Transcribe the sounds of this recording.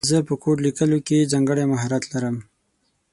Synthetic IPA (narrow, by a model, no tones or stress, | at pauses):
zəpəkʰoʈlikəlokezaŋɡəɽemaɦaɾat̪laɾəm